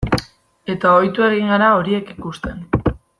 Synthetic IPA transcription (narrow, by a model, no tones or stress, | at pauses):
e̞t̪aojt̪ue̞ɣiŋɡaɾao̞ɾie̞kikust̪e̞n